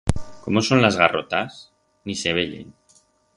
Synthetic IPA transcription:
komosonlazɣarot̪as | niseβ̞eʎḛn

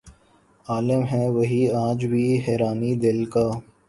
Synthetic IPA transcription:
aːləmɦɛ̃ʋɐɦiãːd͡ʒbʱiɦɛːɾaːnid̪ɪlkaː

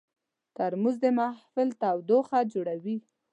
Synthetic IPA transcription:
t̪aɾmuzd̪əmahfɪlt̪awd̪oxad͡ʒoɽawi

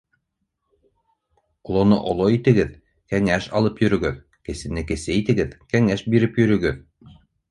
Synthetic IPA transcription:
ŏlˠonoʔŏlˠoit̪ɘ̆ɡɘð | kæŋæʃɑ̰lˠɤpjɵ̆ɾɵ̆ɡɘð | kɘ̆sɘ̆nɘkɘ̆sɘit̪ɘ̆ɡɘðkæŋæʃbiɾɘpjɵ̆ɾɵ̆ɡɘð

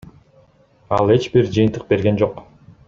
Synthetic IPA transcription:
ɑlˠe̞t͡ʃbiɾd͡ʒɯjɨnt̪ɯq̚be̞ɾɡe̞nd͡ʒo̞q

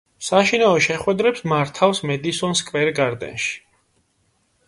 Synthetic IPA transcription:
saʃinaɔʃɛχwɛd̪ɾɛpsmaɾt̪ʰafsmɛd̪isɔnskʼvɛɾɡaɾd̪ɛ̰nʃi̥

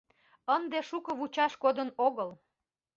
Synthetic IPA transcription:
ənd̪eʃukəβut͡ɕɑʃkod̪ənoɣəl

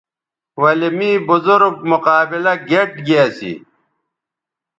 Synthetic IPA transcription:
wɐlimiːbuzuɾɡ̚muqaːbilɐɡeʈɡiaːsḭ

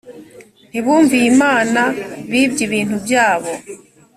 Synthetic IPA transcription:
n̥iβuːɱviːmaːnaβiːbɟiβiːntubjaːβo̞

